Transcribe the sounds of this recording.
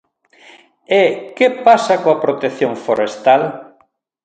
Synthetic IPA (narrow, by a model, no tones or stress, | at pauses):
ekepasɐkoɐpɾot̪eθjoŋfoɾest̪al